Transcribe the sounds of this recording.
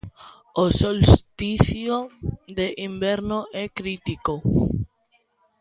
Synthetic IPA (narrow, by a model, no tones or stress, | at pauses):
osolst̪iθjoðeʔimbɛɾnoʔɛkɾit̪iko